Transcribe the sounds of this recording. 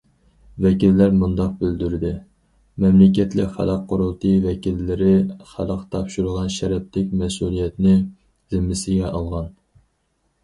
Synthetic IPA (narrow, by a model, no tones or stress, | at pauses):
vɛkʲilːæɾmund̪ɑq̚bɪld̪yɾɪd̪ɪ | mɛmlɪk̬ʲɛt̪lɪkʲχæ̰lˠɑqʰːʊɾulˠt̪ʰɨvɛkʲilːɪɾɪχæləqt̪ʰɑpʃuɾʊʁɑnʃɛɾɛp̚t̪ɪk̚ʲmɛsulˠijɛt̪nɪ | z̥ɪmːɪsɪɡʲɛʔɑlˠʁɑn